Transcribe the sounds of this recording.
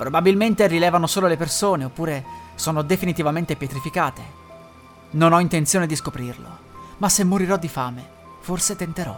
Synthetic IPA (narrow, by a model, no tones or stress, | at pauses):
pɾobabilment̪erilɛːvanosoːlolepersoːneopːuːɾesoːnod̪efinit̪ivament̪epjet̪ɾifikaːt̪e | nonɔint̪ent̪sjoːned̪iskopɾirlo̰ | masːemːoɾiɾɔd̪ːifaːme | forset̪ent̪eɾɔ̰